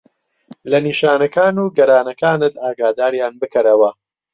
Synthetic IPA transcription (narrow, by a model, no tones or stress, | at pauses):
lɐniːʃaːnɐkaːnuːɡɐɾaːnɐkaːnɨt̪aːɡaːd̪aːɾjaːnbɨkʰɐɾɐwɐ